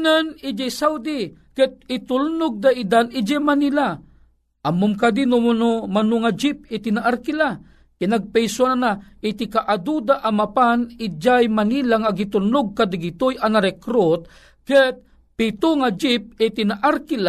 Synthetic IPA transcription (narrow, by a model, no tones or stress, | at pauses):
nanid͡ʒajsawd̪i | kɛt̪̚ɪt̪ʊlnʊɡ̚d̪aʔid̪anɪd͡ʒɛmanila | ʔamʊmkad̪inʊnʊmanʊŋad͡ʒip̚ɪt̪inaʔaɾkila | kɪnaɡ̚pɛjsananaʔɪt̪ikaʔad̪ud̪aʔamapanid͡ʒajmanilaŋaɡit̪ʊlnʊɡ̚kad̪aɡit̪ojanaɾɛkɾot̪̚ | kɛt̪̚ | pit̪ʊŋad͡ʒɪp̚ɪt̪inaʔaɾkila